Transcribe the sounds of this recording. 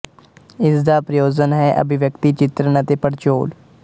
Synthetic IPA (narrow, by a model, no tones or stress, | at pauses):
ɪsd̪aːpɾəjoːd͡ʒənɦɛːʔə̰bʱɪʋjəkt̪iːt͡ʃɪt̪ɾənət̪eːpəɽt͡ʃoːl